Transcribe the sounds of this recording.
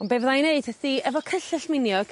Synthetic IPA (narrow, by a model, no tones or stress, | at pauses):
ɔnbevðajneɨd̥̚ʰəθiɛvɔkʰəɬɪɬmɪnjɔɡ̥